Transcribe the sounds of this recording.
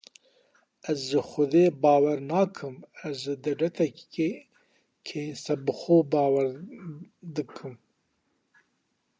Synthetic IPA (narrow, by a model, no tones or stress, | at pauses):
æzʒɨxʊd̪eːbɑːwaɾnɑːkʰɨmazʒɨd̪aɖat̪ʰɛe | kʰesabɨxoːbɑːwaɾ | d̪ɨkʰɨm